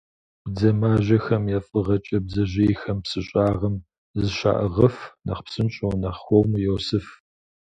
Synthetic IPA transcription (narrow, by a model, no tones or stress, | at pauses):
b̥d͡zɐmaːʑɐxɐmjɛfʼɨʁɐt͡ʃʼɐb̚zɐʑeːjxɐmpsɨɕʼaːʁɐm | zɨɕa̰ːʔəʁɐfnɐ̰χpsɨnɕʼownɐχxʷɔmjɛwsɨf